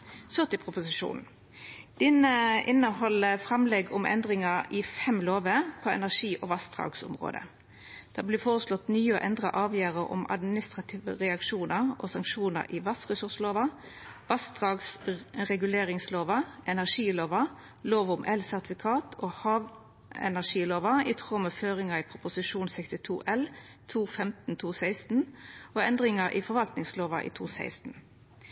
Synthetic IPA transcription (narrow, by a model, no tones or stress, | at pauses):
sœʁt̪ɪpʰʁʊpʊsɪʃṵːnn̩ | d̪̥ɪnəʔɪnːəhɔləfɾɛmlɛɡʊmʔɛ̰nd̪ʁɪŋɑɾɪfɛmloːʋəpʰɔɛ̰næʁʂiːʔɔʋɑst̪ʁɑ̰ːɡsʊ̰mʁo̰ːd̪ə̰ | d̪̥æblɪfoːʁəslɔt̪nyːəɔʔɛnd̪ʁə̰ʔɑːʋjæːʁəɾʔʊ̰mɑ̰d̪mɪnɪst̪ʁɑt̪ʰiːʋə̰ʁɛɑkʂuːnəʁʔo̰sɑŋkʂuːnə̰ɾʔɪʋɑsʁəsʉʁsloːʋɑ | ʋɑsd̪ʁɑːɡsʁɛɡʉleːʁɪŋsloːʋɑɛnæʁʂiːloːʋɑ | loːʋʊmʔɛlsæʁt̪ɪfɪkʰɑːt̪ʰoːhɑːʋ | ɛ̰næʁʂiːloːʋɑit̪ʰʁoːmɛføːʁɪŋɑiːpʰʁʊpʊsɪʃuːnsɛkst̪ɪt̪ʰṵːʔɛlt̪ʰuːfɛmt̪n̩t̪ʰuːsæɪst̪n̩oːɛnd̪ʁɪŋɑʔḭːfɔʁʋɑlt̪nɪŋsloːʋɑ̰ʔḭːt̪ʰṵːsæ̰ɪst̪n̩